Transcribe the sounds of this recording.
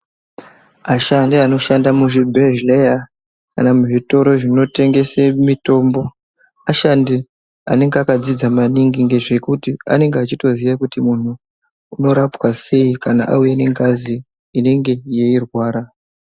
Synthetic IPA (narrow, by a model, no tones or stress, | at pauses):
aʃandiano̞ʃandamuʐibʱeʒleja | kanamuʐito̞ɾo̞ʐino̞te̞ŋɡe̞semito̞ːmbo̞ | aʃandi | a̰ne̞ŋɡeakad͡zid͡zamaniŋɡiŋɡeʐe̞kutia̰ne̞ŋɡeat͡ʃito̞ziʋakutimun̤uː | no̞ɾapwase̞ikana̰ʔa̰ujene̞ŋɡaziː | ne̞ŋɡe̞je̞irwaːɾa